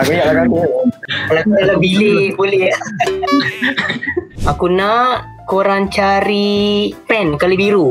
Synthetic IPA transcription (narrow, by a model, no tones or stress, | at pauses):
aɡajaaɾa | alakualabilebolɛ | akunaʔ | koɾaŋt͡ʃaɾipɛnkalibiɾu